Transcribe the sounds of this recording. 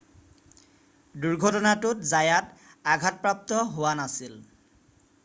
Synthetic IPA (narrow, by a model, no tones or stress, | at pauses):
duɹɡʱɔtɔnatʊtzajat | aɡʱat̚pɹap̚t̪ɔɦowanasil